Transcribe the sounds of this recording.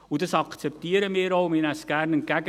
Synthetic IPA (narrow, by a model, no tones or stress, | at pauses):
ʊndɑsɑkt͡sɛp̚tiːəɾəmiːɾoʊmɪnæsɡ̥ærnənɡæɡə